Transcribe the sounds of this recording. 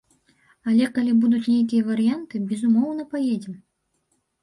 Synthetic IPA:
ɐlʲɛkalʲibud̪ut͡sʲnʲejkʲijɐvɐɾɨjant̪ɨbʲɛzumɔwn̪ɐpajed͡zʲɛm

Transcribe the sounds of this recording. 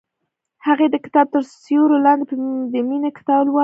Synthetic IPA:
haɣed̪əkɪ̥t̪ɑb̚t̪əɾsjoɾolɑnd̪epəd̪əminekɪ̥t̪ɑblwɑ

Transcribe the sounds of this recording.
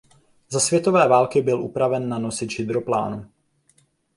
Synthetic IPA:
zasvjɛt̪o̞vɛːvaːlkɪbɪlʔupɾavɛnːano̞sɪt̪ʒɪd̪ɾo̞pla̰ːnu

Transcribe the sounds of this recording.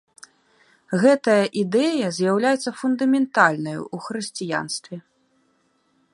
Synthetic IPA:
ɣɛt̪ɐjɐʔid̪ɛjɐzʲjawlʲajɛt̪sːɐfund̪ɐmʲɛnt̪alʲnɐjṵuxɾɨsʲt͡sʲija̰nst̪vʲɛ

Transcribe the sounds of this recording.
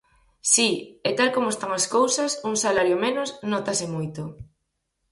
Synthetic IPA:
siet̪alkomoest̪aŋɐskowsɐsuŋsalaɾjomenosnot̪asɪmojt̪o

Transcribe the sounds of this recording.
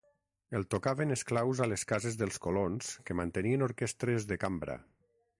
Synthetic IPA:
elˠt̪okaβenesklawzaleskazezðəlˠskolonskəmant̪ənienoɾkɛst̪ɾezðekambɾa̰

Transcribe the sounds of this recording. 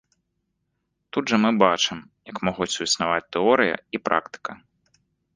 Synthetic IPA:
t̪ud̪ʐɐmɨbat͡ʂɨmjɐkmɔɣut͡sʲuisnavat͡sʲt̪ɛɔɾɨjɐ̰ipɾʔa̰kt̪ɨ̥kɐ

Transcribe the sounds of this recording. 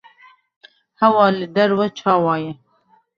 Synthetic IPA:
hɐwɑːlɨd̪ɐɾwɐt͡ʃʰɑːwɑːjɛ

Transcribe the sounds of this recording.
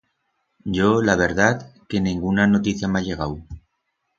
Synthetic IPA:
ɟ͡ʝolaβ̞eɾðat̪keniŋɡunanot̪iθjamaʎeɣ̞aw

